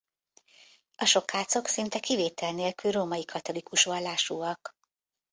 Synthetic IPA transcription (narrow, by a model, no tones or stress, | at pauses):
ɒʃo̞khaːt̪so̞ksint̪ɛkiveːt̪ɛlneːlkylroːmɒjikʰɒt̪o̞likuʃʋɒlːaːʃuːɒk